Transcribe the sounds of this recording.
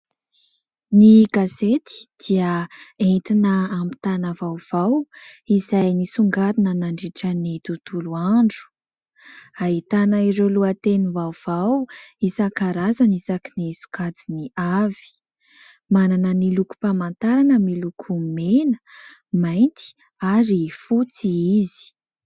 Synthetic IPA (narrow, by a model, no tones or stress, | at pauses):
niɡazet̪i̥d̪̥iəent̪inəːmbi̥t̪anavawv̥awizajnisuŋɡad̪inənaɳɖ͡ʐiʈ͡ʂanit̪ut̪uluaɳɖ͡ʐu̥ | aɦit̪anəiɾeluat̪enivav̥awisakaɾazanisakinisu̥kad͡ziniavi̥ | mananəniluku̥pamant̪aɾanəmilukʰumenə̥ | majnt̪i̥ | aɾifut͡siizi̥